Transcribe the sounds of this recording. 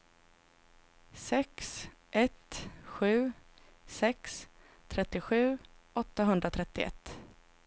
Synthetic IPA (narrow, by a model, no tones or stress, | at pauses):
sɛks | ʔɛt̪ɧʉ̟ː | sɛks | t̪ʰɾɛt̪ːɪɧʉ̟ː | ʔɔt̪ːaɦɵnd̪ɾat̪ʰɾɛt̪ːɪɛ̰t̪ː